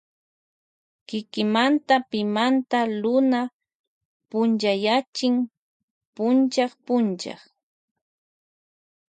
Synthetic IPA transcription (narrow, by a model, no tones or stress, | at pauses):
kɪkɪmant̪apɪmant̪alʊna | pʊnt͡ʃajat͡ʃɪŋ | pʊnt͡ʃɑχpʊnt͡ʃɑ̰χ